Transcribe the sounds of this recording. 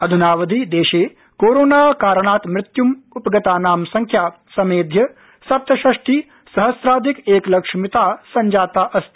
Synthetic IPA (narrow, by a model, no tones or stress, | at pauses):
ɐd̪ʱunaːʋɐd̪ʱid̪eːʃeː | koːɾoːnaːkaːɾɐɳaːt̪mɾɪt̪jumupɐɡɐt̪aːnaːmsɐŋkʰjaːp | sɐmeːd̪ʱjɐ | sɐp̚t̪ɐʃɐʂʈi | sɐɦɐsɾaːd̪ʱikeːklɐkʂmit̪aːsɐɲd͡ʒaːt̪aːʔɐst̪